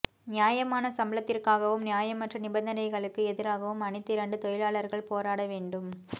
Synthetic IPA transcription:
nɪjaːjɐmaːnɐsɐmlɐt̪ːɪrkaːɣɐʋɯmnɪjaːjɐmːɐʈrɐnɪbɐnd̪ɐnɐɪɣɐɭɯkːɯɛðɪɾaːɣɐʋɯmɐnɪt̪ːɪɾɐɳɖɯt̪ɔjɪɭaːɭɐɾɣɐɭpoːɾaːɽɐʋeːɳɖɯm

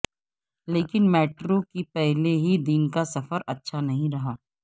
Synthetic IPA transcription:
leːkɪnmɛːʈɾokipɛɦleɦid̪inkasɐfəɾɐtːʃʰanɐɦĩɾɐɦaː

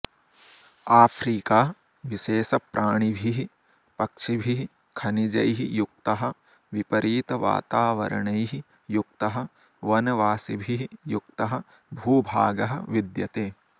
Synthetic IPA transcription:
aːpʰɾiːkaː | ʋiʃeːsɐpɾʔaːɳ̃ibʱiɦi | pɐkʂibʱiɦi | kʰɐnid͡ʒɐ̰jɦijuk̚t̪ɐɦɐ̆ | ʋipɐɾʔiːt̪ɐʋa̰ːt̪aːʋɐ̰ɾɐ̰ɳɐjɦi | juk̚t̪ɐɦɐ̆ | ʋɐnɐʋaːsibʱiɦijukt̪ɐɦɐ̆ | bʱuːbʱaːɡɐɦɐ̰ʋid̪jɐt̪eː

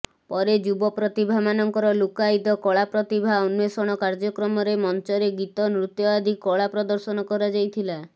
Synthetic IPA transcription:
pɔɾed͡ʒubɔpɾɔt̪ibʱamanɔŋkɔɾɔlukajd̪ɔkɔɭapɾɔt̪ibʱaunwesɔɽ̃ɔkaɾd͡ʒɔkɾɔmɔɾemɔnt͡ʃɔɾeɡit̪ɔnɾut̪jɔad̪ʱikːɔɭapɾɔd̪ɔɾsɔnɔkɔɾad͡ʒajt̪ʰila

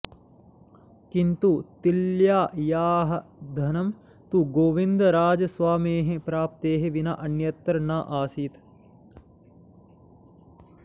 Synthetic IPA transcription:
kint̪ut̪iljaːjaːɦɐd̪ʱɐnɐm | t̪uɡoːʋind̪ɐɾaːd͡ʒɐsʋaːmeːɦepɾaːp̚t̪eːɦeʋina̰ʔɐnjɐt̪ːɐɾnaːʔaːsiːt̪

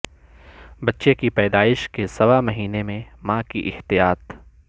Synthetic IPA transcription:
bɐtːʃekipɛːd̪aːɪʃkesɐʋamɐɦiːnemẽmãːkiʔɪht̪ijaːt̪

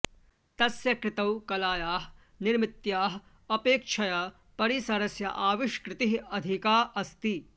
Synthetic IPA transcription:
t̪ɐsjɐkɾɪt̪ɐwkɐlaːjaːɦ | nɪɾmɪt̪jaːɦ | ɐpeːkʃʰɐja | pɐɾisɐɾɐsjɐ̰ʔaːʋɪʃkɾɪt̪iɦɐd̪ʱikaːʔɐst̪i

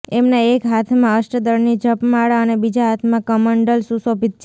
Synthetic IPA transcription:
emnãekɦat̪ʰmãəʃʈəd̪əɽnid͡ʒəpmaɭaənebid͡ʒaɦat̪ʰmãkəməɳɖəlsusobit̪̚t͡ʃ

